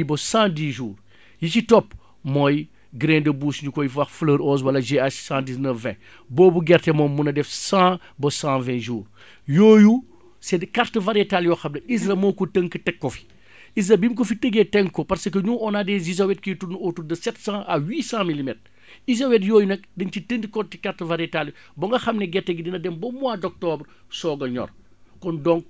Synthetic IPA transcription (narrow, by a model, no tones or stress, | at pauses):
bɔsãːdiːʒuːr | jit͡ʃitɔpː | mɔj | ɡɾɛ̃ndɐbuːsɲukɔjifwɐxfləːɾɔːs̬wɐlɐʒeaʃsãːdiznəfːɛ̰̃ | bɔːbuɡɛɾtɛmɔmunɐdɛfsãː | bɔsãvɛ̃ʒuːr | joːju | sɛdkartəvɐɾɛtaljɔːxɐmnɐisɾɐmɔkutəŋkətɛkːɔfi̥ | is̬ɐbimkofitəɡetɛŋkːɔpɐɾsəkːəɲuːʔɔnaːdɛzizɐwɛt̚kijtunotudɐsɛtsãːʔɐwiːsãːmilimɛtr | izɐwɛt̬joːjunɛk̚dɐɲcitəndikɔtikartəvɐɾɛtaljɔ | bɔŋɡɐxɐmnɛɡɛrtːɛɡidinɐdɛmbɔmuaːdɔk̚tɔːbr | sɔːɡɐɲɔ̰r | kɔndɔŋ̚